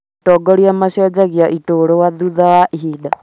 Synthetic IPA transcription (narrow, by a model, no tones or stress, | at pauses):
tɔɡɔɾiamaʃɛd͡ʒaɣiaʔitoɾowaðuðawaʔiɦiɗa